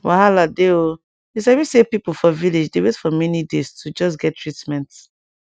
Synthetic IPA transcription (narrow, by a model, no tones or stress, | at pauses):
wahaladeo | is̬awisepipufɔviled͡ʒdewetfɔmɛnidestʰud͡ʒɔs̬ɡɛtʰːɹitmɛ̃nt